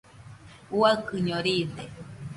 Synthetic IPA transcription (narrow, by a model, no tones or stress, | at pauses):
uaɨkɨɲõɾid̪e